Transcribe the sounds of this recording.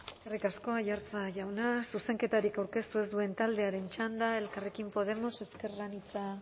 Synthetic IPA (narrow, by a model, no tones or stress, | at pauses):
eskerikasko̞ajaɾt͡saʝawnasuse̞ŋke̞t̪aɾikawɾke̞st̪ue̞zd̪ue̞nt̪ald̪e̞aɾe̞nt͡ʃand̪ae̞lkarekimpo̞ð̞e̞mo̞se̞ske̞rɣanit͡sa